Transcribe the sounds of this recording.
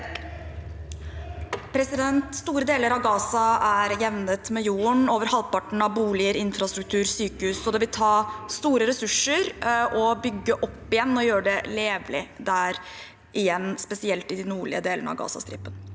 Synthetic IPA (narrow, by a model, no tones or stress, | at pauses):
pʰɾɛsɪd̪ɛnt̪st̪uːɾəd̪eːləɾɑʋɡɑːsɑæɾjɛʋnət̪mɛjuːəɳoːʋəɾhɑlpɑʈɳ̩ɑʋbuːlɪəɾɪnfɾɑst̪ɾʉk̚t̪ʰʉːɾsyːkəhʉːsɔd̪ɛʋɪlt̪ʰɑːst̪uːɾəɾɛsʉʂəɾʔɔbʏɡːəʔɔpːɪjɛnːɔjøːɾəɖɛleːʋlɪd̪æɾ | ʔɪjɛnːspɛsɪɛlt̪ɪd̪ɪnuːɭɪ̰əd̪eːlənə̰ɑ̰ʋɡɑ̰ːsɑ̰st̪ɾɪ̰pːən